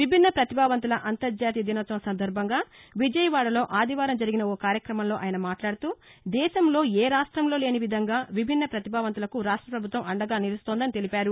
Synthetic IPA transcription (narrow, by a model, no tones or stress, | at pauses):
ʋibʱinːɐpɾɐt̪ibʱaːʋɐnt̪̬ulɐʔɐnt̪ɐɾd͡ʒaːt̪̬ijɐd̪inɐt̪ːɐmɐsɐnd̪ɐɾbʱɐŋɡaːʋid͡ʒɐjɐʋaːɽɐlo̞ːʔaːd̪ʱiʋaːɾɐmd͡ʒɐɾiɡinɐoːkaːɾjɐkɾɐmɐmlo̞ːʔaːjɐnɐmaːʈlaːɽut̪uːd̪ɛːʃɐmlo̞ːeːɾaːʂʈɾɐmlo̞ːle̞ːniʋid̪ʱɐŋɡaːʋibʱinːɐpɾɐt̪ibʱaːʋɐnt̪ulɐkuɾaːʂʈɾɐpɾɐbʱut̪ʋɐmɐɳɖɐɡaːniɾist̪oːnd̪ɐnit̪e̞lipaːɾu